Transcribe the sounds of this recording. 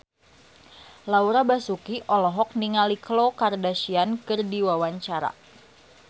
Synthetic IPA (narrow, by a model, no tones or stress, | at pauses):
lauɾabasukiʔɔlɔɦɔk̚niŋaliklokardaʃiankɨrdiwawaɲt͡ʃaɾa̰